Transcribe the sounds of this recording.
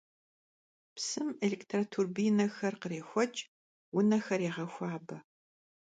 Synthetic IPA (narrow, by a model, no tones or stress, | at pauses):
psɨmelektʰratʰurbijnɐxɐrqəreːxʷɔt͡ʃʼ | wʊnɐxɐɾeːʁɐxʷɑːbɐ